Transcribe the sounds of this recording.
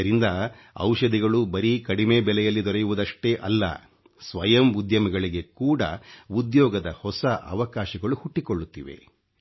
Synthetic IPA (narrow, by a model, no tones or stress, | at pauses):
ɐɾind̪ɐ | ɐ̰wʃɐd̪iɡɐɭubɐɾikɐɽimeːbɛlɛjɐlːid̪ɔɾɐjuʋud̪ɐʂʈeːʔɐlːɐ̰ | sʋɐjɐmud̪ʱjɐmɐɡɐɭiɡe̞kuːɽɐ̰ud̪jɔːɡɐd̪ɐhɔsɐʔɐ̰ʋɐkaːʃɐɡɐɭuhuʈːikoɭːut̪ːiʋe̞̰